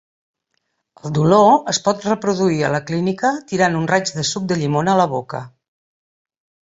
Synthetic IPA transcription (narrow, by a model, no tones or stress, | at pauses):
əlˠd̪uloəspɔt̪rəpɾuðuiə̰ləklinikət̪iɾanunrad͡ʒðəsuk̚d̪əʎimonəːləβ̞okə̰